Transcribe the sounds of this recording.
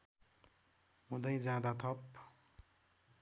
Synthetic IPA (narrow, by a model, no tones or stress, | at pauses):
ɦũd̪ʌjd͡zãd̪at̪ʰʌp